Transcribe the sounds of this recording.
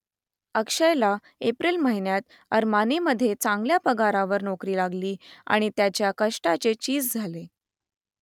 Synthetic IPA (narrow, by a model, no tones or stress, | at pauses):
əkʂəjla | epɾiːlməɦinjat̪ | əɾmaniməd̪ʱːjet͡saŋɡljapəɡaɾaʋəɾnokɾiːlaɡliːa̰ɽ̃it̪jat͡ɕjakəʂʈat͡set͡ɕiːd͡zd͡zʱale